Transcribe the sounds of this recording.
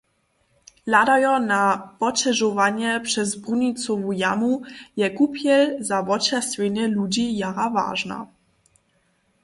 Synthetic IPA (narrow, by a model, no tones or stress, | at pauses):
lad̪ajɔnavɔt͡ʃɛʐɔvaɲɛpʂɛzbɾuɲit̪sɔvujamujɛkupjɛlzavɔt͡ʃɛsvʲɛɲɛlud͡ʑijaɾava̰ʐna̰